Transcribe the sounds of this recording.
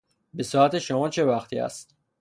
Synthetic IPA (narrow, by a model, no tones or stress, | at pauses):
be̞sɒæt̪e̞ʃomɒːt͡ʃʰe̞væxt̪ʰiːæ̰st̪